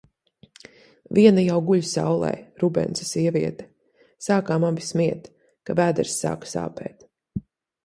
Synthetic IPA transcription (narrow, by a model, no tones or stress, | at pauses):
viɛnajawɡuʎʲsa̰wlˠɛ̰jɾubɛ̰nt̪sḁsʲiɛvʲiɛt̪ɛ̥ | saːkaːmabismiɛt̪ | kavæːd̪ɛɾsːa̰ːkḁsa̰ːpɛ̰ːt̪